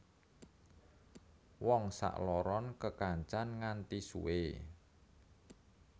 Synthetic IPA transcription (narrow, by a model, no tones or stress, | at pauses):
wɔŋsa̰ʔlɔɾɔnkəkaɲt͡ʃanŋant̪isṵe